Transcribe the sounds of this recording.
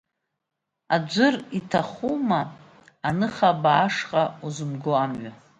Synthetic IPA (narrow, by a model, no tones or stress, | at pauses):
ad͡ʒʷʊritʰaχumaː | nɨχabaːʂqʼauzɨmɡoamɥa